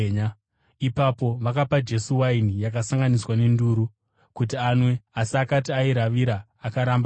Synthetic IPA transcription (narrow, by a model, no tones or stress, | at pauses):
ɲa | ipapo̞ʋakapad͡ʒe̞suwainijak̬asaŋɡaniswane̞nduːɾu | kutianwe̞asiakatiaiɾaʋiɾaː | kaɾamb